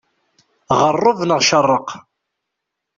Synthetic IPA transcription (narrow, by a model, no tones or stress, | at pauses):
ʁərˤːʊvnəʁʃərˤːəq